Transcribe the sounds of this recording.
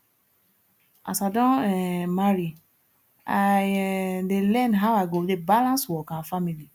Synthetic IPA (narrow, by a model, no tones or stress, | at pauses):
a̰sadɔ̃ɛmaɾi | a | delɛ̃nɦawaɡodebalãnsuwɔkãafamili